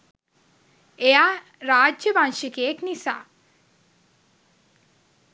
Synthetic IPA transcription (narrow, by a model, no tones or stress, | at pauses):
eja | ɾaːd͡ʒjəbaŋʃikeːknisa̰